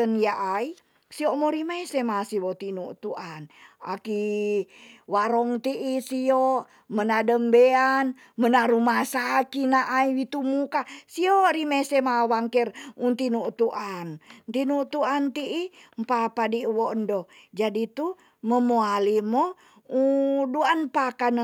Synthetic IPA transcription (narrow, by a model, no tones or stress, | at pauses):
ənjaʔai | siomoɾimesemasiwɔt̪inut̪uʔana̰ki | waɾɔŋt̪iʔːsio | mənadəmbean | mənaɾumasakinaʔːiwit̪umukasioɾimesemawaŋkɛrunt̪inut̪uʔant̪inut̪uant̪iimpapadiwoəndo | d͡ʒadit̪u | məmoalimo | uduanpakan